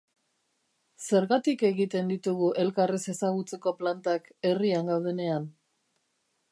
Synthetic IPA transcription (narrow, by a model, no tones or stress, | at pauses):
se̞ɾɣat̪ike̞ɣit̪e̞nd̪it̪uɣuʔe̞lkarese̞saɣ̞ut͡se̞ko̞plant̪ake̞riaŋɡawðe̞ne̞an